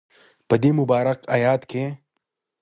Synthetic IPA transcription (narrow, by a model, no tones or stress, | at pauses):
pɐd̪iːmubaːɾɐqɐjaːt̪kʰẽ